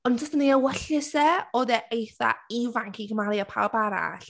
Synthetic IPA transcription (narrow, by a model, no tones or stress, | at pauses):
ɔnd͡ʒəstəneəwɛɬɪsɛɔdɛʔejθa̰ivaŋkʰiɡəmaljɔpʰa̰wbaɾa̰ɬ